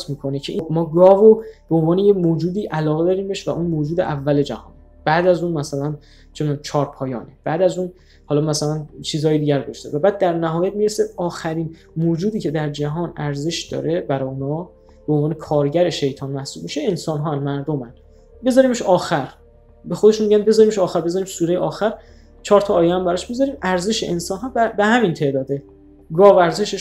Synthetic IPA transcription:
smiːkʰo̞necʰe̞ʔimɒːɡɒːvob̥eonvɒːnejemoːd͡ʒuːd̪iːʔælɒːɣe̞d̪ɒːɾiːmbe̞ʃvæʔunmoːd͡ʒuːd̪e̞̰ʔævːæle̞d͡ʒæhɒ̰ːn | b̥æːd̪æzuːnmæsælæn | t͡ʃʰenːt͡ʃʰɒːɾpʰɒːjɒːneb̥æːd̪æzuːn | hɒːlɒmæsælænt͡ʃʰiːzhɒːjed̪iːɟæɾd̪oʃt̪evæbæːd̪̚ːæɾnæɦɒːjæt̪̚miːɾeseɒːxæɾiːn | moːd͡ʒuːd̪iːcʰe̞d̪æɾd͡ʒæɦɒːnæɾze̞ʃd̪̥ɒ̰ːɾebæɾɒːjonɒː | b̥eonvɒːnekʰɒːɾɟæɾeʃe̞jt̪ʰɒːnmæhsuːbmiʃeensɒːnɦɒːænmæɾd̪omæn | be̞zɒːɾiːmeʃɒːxæɾ | be̞xo̞d̪e̞ʃunmiɟænbe̞zɒːɾiːmeʃɒːxæɾbezɒɾiːmsuːɾe̞jeɒːxæɾ | t͡ʃʰɒːɾt̪ʰɒːjehæmbæɾɒʃbezɒɾiːmʔæɾze̞ʃeʔensɒnɦɒːbbehæmint̪ʰe̞d̪ɒːd̪e | ɡɒːvæɾze̞ʃeʃ

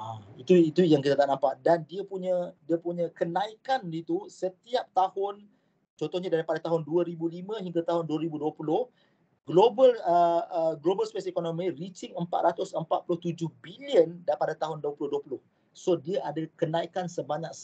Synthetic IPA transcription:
ait̪uit̪ujaŋkit̪at̪aʔnãmpaʔdandiəpuɲə̃diəpuɲə̃kənãikanit̪usət̪iap̚t̪ahʊn | t͡ʃɔnt̪ɔhɲadaɾipadat̪aɦʊnduəɾibulimə̃ɦiŋɡat̪aɦʊnduəɾibuduəpulʊh | ɡlobələəɡlobəlspesekonõmĩrit͡ʃɪŋəmpa̰t̪ɾʔat̪ʊsəmpat̪̚pulʊht̪ud͡ʒʊhbiliəndapadat̪aɦʊnduəpulʊhduəpulʊh | sodiaʔadakənãikansəbaɲãk̚s

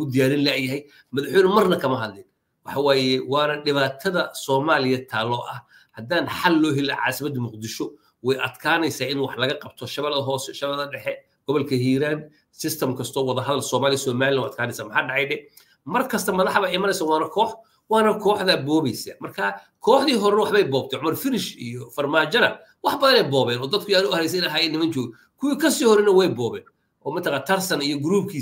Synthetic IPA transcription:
ʊd̪ɪjaːɾɪnlɛjɐɦɛj | mɐðɑħwɛjnʊmɐrnɐkʰɐmɐɦɐd̪lɪn | wɑħɑwaːjɛwɑːnɐɖɪβaːt̪ʰɐðɐsɔːmaːlɪjɐt̪ʰaːlɔːʔɐh | hɐd̪aːnħalːɔːɦɛlɐ̰ʕɑ̰ːsɪmɐd̪mʊqd̪ɪʃɔ | wɛjʔɐd̪kʰaːnɛjsaːʔɪnwɑħlɐɣɐqɑbt̪ʰɔʃɐβlɦɔːsɛʃɐβɛðɐɖɛħɛ | ɡ̥ɔβɔlkʰɐhiːɾaːn | sɪst̪ʰɐmkʰɐst̪ʰɔːwɑðɐɦɐðɐlsɔːmaːlɪjɐsɔːmaːlɪlanwɐd̪̚kʰaːnɛjsaːmħaːɖɑʕɑjdɛ | mɐrkʰɐst̪ʰɐmɐðɑħβɐɪmɐnɛjsawaːnɐkʰɔːħ | wɑːnɐkʰɔːħðɐbɔːβɛjsɐmɐrkʰa | kʰɔːħðiːɦɔɾnɐwɑħβɛjbɔːbt̪ʰɛʕʊmɐrfɪɾɪʃijɔfɐrmaːt͡ʃɐnɐ | wɑħbɐðɐnɛjbɔːβɛːnɔːd̪ɐd̪̚kʰʊjaːɾʊhɐɾɛjs̬ɐɪnɐɦaːjɛːnːɪmɐnt͡ʃɔːɣɛ | kʰʊwiːkʰɐsiːhɔɾɛnɐwɛjbɔːβɛ̰ːn | ʔɔːmɐt̪ʰɐqaːnt̪ʰɐrsɐnijɔɡɾuːb̚kʰiː

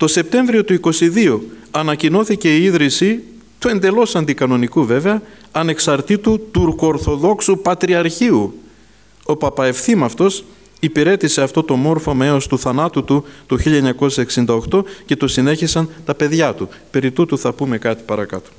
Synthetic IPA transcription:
t̪o̞se̞p̚t̪e̞ɱvɾio̞t̪uiko̞siðio̞ɐnɐcino̞θice̞iiðɾisi | t̪ue̞nd̪e̞lo̞sɐnd̪ikɐno̞nikuve̞ve̞ɐ | ɐne̞ksɐɾt̪it̪ut̪uɾkooːɾθo̞ðo̞ksupɐt̪ɾiɐɾçiu | o̞pɐpɐe̞fθimɐft̪o̞s | ipiɾe̞t̪ise̞ɐft̪o̞t̪o̞mo̞ɾfo̞me̞ost̪uθɐnɐt̪ut̪ut̪uçiʎɐeɲɐko̞sse̞ksind̪ɐo̞xt̪o̞ce̞t̪osine̞çisɐnt̪ɐpe̞ðʝɐt̪upe̞ɾit̪ut̪uθɐpume̞kɐt̪i̥pɐɾɐkɐ̰t̪o̥

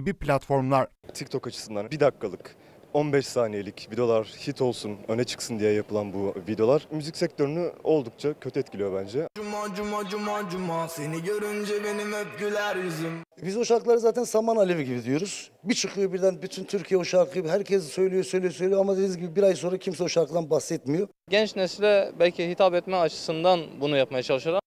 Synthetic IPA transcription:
biplʲat̪fo̞ɾmlˠaɾt̪ʰict̪ʰo̞kat͡ʃʰɯ̥sɯnd̪anbid̪akʰːalˠɯk | o̞nbɛʃsaːnijelʲicvid̪eo̞lˠaɾ̥hit̪ʰo̞lˠsunø̞nɛt͡ʃʰɯ̥ksɯnd̪ijɛjapʰɯlˠanbuvid̪e̞lˠaɾmyzicʲsɛc̚t̪ʰø̞ɾynyo̞lˠd̪uk̚t͡ʃʰacʰøt̪ʰyɛt̪̚cʰilʲijo̞bænd͡ʒɛd͡ʒumad͡ʒumad͡ʒumad͡ʒumaseniɟøɾynd͡ʒɛbe̞nimøfɟylʲæɾizimbizoʃaɾklˠaɾɯzaːt̪ʰænsamanalʲeviɟibid̪ijo̞ɾuz̥ | bit͡ʃʰɯqʰɯjo̞biɾd̪ænbit̪ʰynt̪ʰyɾcʰijɛoʃaɾkʰɯɡibiɦæɾcʰɛssøjlʲijosølʲijosø̞jlʲijamad̪einizɟibibiɾajso̞nɾacʰimsɛoʃaɾkʰɯd̪anbahsɛt̪mijo | ɟɛnt͡ʃnɛsilʲɛbælʲcʰiɛhit̪ʰapɛt̪mɛat͡ʃʰɯ̥sɯnd̪anbunujap̚majat͡ʃʰalˠɯʃɯɾam

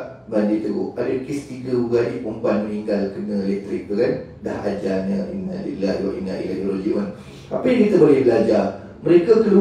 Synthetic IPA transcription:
bandit̪uɡuʔadəkist̪iɡəuɡaipumpat̪̚məniŋɡalkənə̃elɛk̚t̪ɾik̚t̪ukanda̰ɦad͡ʒaɲə̃ʔinːa̰lḭlada̰ʔḭna̰ʔḭlɛd̪oloɡimən | apəjãŋkit̪abolɛhbəlad͡ʒa | məɾekakəlu

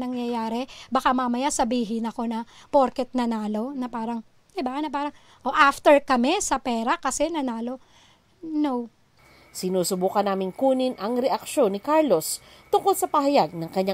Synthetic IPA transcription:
nɐŋjɐjaːɾɛbɐkamɐmɐjasɐbiːɦɪnɐko̞nɐpoɾkɛt̪̚nɐnaːlo̞nɐpaːɾɐŋ | d̪ɪbanɐp̬aːɾɐŋ | ʔoʔaft̪ɛɹkɐmɛsɐpɛːɾɐkɐsɛnɐnaːlo̞ | now | sɪnuːsʊbuːkɐnaːmɪŋkuːnɪnʔɐŋɾɛʔɐkʃo̞nːɪkaɹlo̞s | t̪ʊŋko̞lsɐpɐhɐjaɡ̚nɐŋkɐɲːa

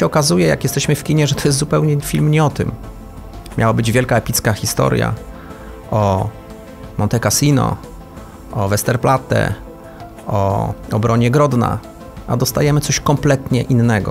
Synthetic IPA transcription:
ɛɔkazujɛja̰kjɛst̪ɛɕmɘfkʲiɲɛʐɛt̪ʰɔjɛst̪zupɛwɲɛfʲilmɲɛɔt̪ɘmːʲ | jawabɘd͡ʑvʲjɛlkaɛpʲit̪skaxʲist̪ɔ̰ɾʲja̰ | ɔ | mʔɔnt̪ɛkasʲinɔ̰ | ʔɔvɛst̪ɛɾplat̪ɛ̰ | ɔ̰ɔbɾɔɲɛɡɾɔd̪na̰ | ad̪ɔst̪ajɛmɘt̪sɔɕkɔmplɛt̪ɲɛʔinːɛɡɔ̰

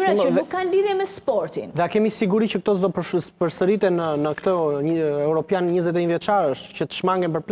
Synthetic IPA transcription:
nukːanliðjɛmɛspɔɾt̪ḭnðɛakɛmisiɡuɾit͡ɕək̚t̪ɔzd̪ɔpəpəɾsəɾit̪ɛnənəkt̪əɲɛuɾɔpjanɲəzɛt̪̬ɛɲəðvjɛt͡ʃaɾəʃt̪cət̪ə̥ʃmaŋɡɛnpəɾpl

